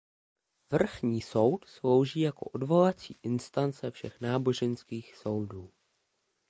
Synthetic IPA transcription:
vr̩xɲiːso̞wt̪slo̞wʒiːjako̞̰ʔodvo̞lat͡sḭːʔɪnst̪ant͡sɛfʃɛxnaːbo̞ʒɛnskiːxso̞wduː

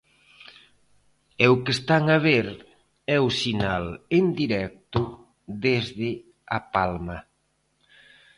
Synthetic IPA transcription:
ɛʊkest̪aŋaβeɾ | ɛʊsinalend̪iɾɛk̚t̪ʊ | ðezðɪ | apalmɐ

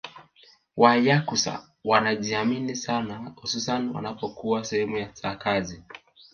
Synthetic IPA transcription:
wajakusa̰ | wanaʄiaminisanahususaniwa̰napɔkuwasɛhɛmujasakazi

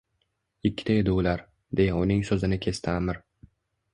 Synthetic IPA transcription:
ɪkʲʰːɪ̥t̪ʰaed̪ɪʊlaɾ | d̪e̞jaʊnɪŋsɵzɪnɪkʲʰe̞st̪ʰɪamɪɾ

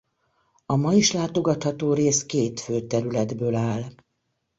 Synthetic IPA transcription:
ɒmɒjiʃlaːt̪o̞ɡɒt̪hɒt̪oːɾeːskeːt̪føːt̪ɛɾylɛd̪bøːlaːl

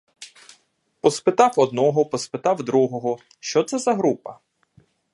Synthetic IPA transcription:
pɔspɪt̪ɑwɔd̪nɔɦɔpɔspɪt̪ɑwd̪ɾuɦɔɦɔ | ʃt͡ʃɔt̪sɛzɐɦɾupɐ

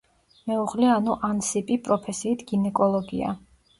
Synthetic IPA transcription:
mɛuʁlianuʔansipʼipʼɾɔpʰɛsiːt̪ʰɡ̥inɛkʼɔlˠɔɡḭa̰

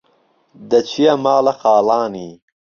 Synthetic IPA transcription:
d̪ɐt͡ɕʰiɐmaːlɐxaːlaːniː

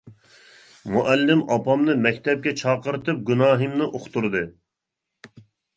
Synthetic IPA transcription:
muʔɛlːɪmɑpɑmnɨmɛkʲt̪ʰɛp̚kʲɛt͡ʃʰɑːqəɾt̪ɨp̚ɡʲynɑːɦɨmnɨʔoχt̪uɾd̪ɨ

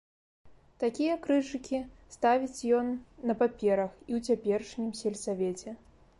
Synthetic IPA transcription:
t̪akʲijɐkɾɨʐɨkʲist̪avʲit͡sʲjɔnːɐpapʲɛɾɐxiwt͡sʲapʲɛrʂnʲimsʲɛlʲsavʲɛt͡sʲɛ

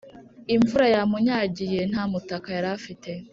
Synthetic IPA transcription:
iɱvuɾajamuɲaːɟijen̥aːmutakajaɾafite̞

